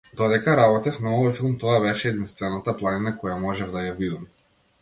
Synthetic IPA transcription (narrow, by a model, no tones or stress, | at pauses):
d̪ɔd̪ɛkaɾabɔt̪ɛfnaɔvɔjfilˠmt̪ɔabɛʃɛːd̪inst̪vɛnat̪aplˠaninakɔjamɔʒɛvd̪ajavid̪ɔm